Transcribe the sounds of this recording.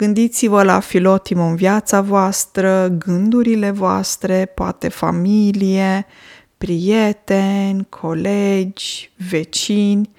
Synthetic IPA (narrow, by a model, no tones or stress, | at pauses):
ɡ̥ɨnd̪it̪sivəla̰filo̞t̪imoɨnvjat̪savoast̪ɾəɡɨnd̪uɾile̞voa̰st̪ɾe̞poa̰t̪e̞fa̰milije | pɾijet̪enʲkʰo̞led͡ʒʲve̞t͡ʃinʲ